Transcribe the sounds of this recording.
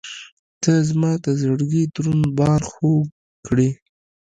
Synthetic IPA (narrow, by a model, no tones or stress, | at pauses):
t̪əzmɑt̪azəɽɡid̪ɾunbɑɾxo | kɽi